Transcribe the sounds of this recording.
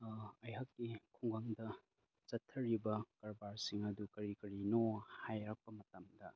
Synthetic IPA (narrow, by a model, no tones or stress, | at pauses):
ɐjɦɐkːikʰuŋɡaŋdɐ | sɐtʰːɐɾibɐkɐɾbaɾsiŋɐdukɐɾikɐɾinohajɾak̚pɐmɐtɐmdɐ